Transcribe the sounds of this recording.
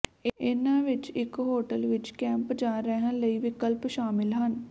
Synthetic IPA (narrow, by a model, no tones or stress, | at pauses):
ɪnãːʋɪt͡ʃɪkɦoːʈəlʋɪt͡ʃkɛ̃ːmpd͡ʒaːɾəɦə̃ləiːʋɪkəlpʃaːmɪlɦən